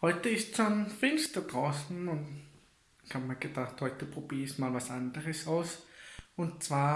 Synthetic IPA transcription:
hɔʏtəɪstsonfɪnstəd̥ʁaʊsn̩ʊnt | ɪçhaːbmaːɡ̥əd̥aχthɔʏtəpʁ̥ob̥iːəçmaːlvasʔandəʁəsaʊsʊntt͡sv̥aːɐ

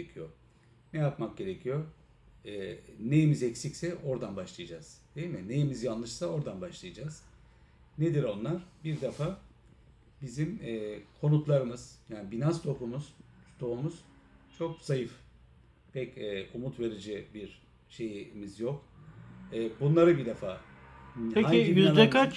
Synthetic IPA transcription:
ecʰijo | nɛjapmak̚ɟe̞ɾecʰijo̞ | ɛnejimizɛcsicsɛʔo̞ɾd̪anbaʃlˠajad͡ʒaz̥d̪̥eimine̞jimizjanlˠɯʃsao̞ɾd̪anbaʃlˠajad͡ʒaz̥ | ned̪iɾo̞nlˠaɾ̥biɾd̪afa | bizimɛːkʰo̞nut̪lˠaɾɯmɯz̥jaːnibinanst̪ʰo̞pʰumuz̥d̪o̞umuz̥ | t͡ʃʰo̞k̚z̥ajɯf | pʰɛcɛːumut̪ve̞ɾid͡ʒibiɾ | ʃe̞jmizjok | ɛːbunlˠaɾɯbid̪efaː | eaiiaakat͡ʃ

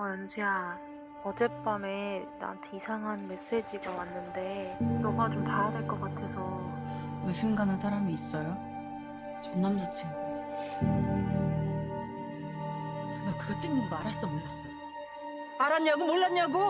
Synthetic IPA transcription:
ʌnd͡ʑʰuja | ʌd͡ʑe̞p͈ame̞na̰ntʰeisʰaŋɦanme̞s͈e̞d͡ʑiɡawanːɯnde̞nʌɡat͡ɕomtajadwe̞ɭk͈ʌk͈atʰe̞sʰʌjusʰɯmɡanɯnsʰaɾamiːs͈ʌjo | t͡ɕʌnːamd͡ʑat͡ɕʰi | nakɯɡʌt͡ɕ͈iŋɲindaɾas͈ʌmoɭːas͈ʌj | aɾaɲaɡomoɭːaɲaɡo

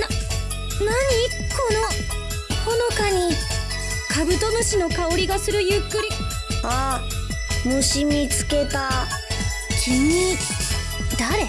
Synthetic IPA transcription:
na | naɲ̟iːkːo̞no | hono̞kaɲ̟i | kabɯ̟t̪o̞noɕino̞kaoɾʲiɡasɨɾɯ̟jɯkːɯ̟ɾʲi | a | mɯ̟ɕimʲit͡sɨ̥ke̞t̪a | kʲʰiɲi | d̪̥aɾe

